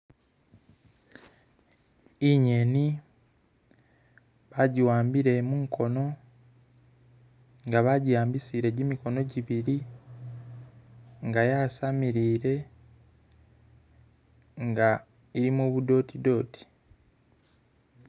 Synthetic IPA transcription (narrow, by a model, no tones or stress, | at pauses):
iɲe̞ni | βaɟiwaːmbiɾe̞muːŋkʰo̞no̞ | ŋɡaβaɟijaːmbisiɾe̞ɟimiko̞no̞ɟiβiɾi | ŋɡajaːsamiɾiːɾe̞ | ŋɡa | iɾimoːβudo̞ːtʰido̞ːtʰi̥